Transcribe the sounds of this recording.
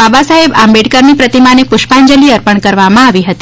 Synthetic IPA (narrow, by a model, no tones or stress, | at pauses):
abasaɦebambeʈkəɾmipɾət̪imanepʊʃpaɲd͡ʒəliəɾpəɳkəɾʋamãaʋiɦət̪i